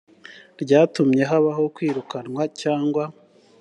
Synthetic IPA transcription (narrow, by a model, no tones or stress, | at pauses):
ɾɟaːtumɲe̞ɦaβaɦo̞kwiːɾukanŋwacaːŋɡwa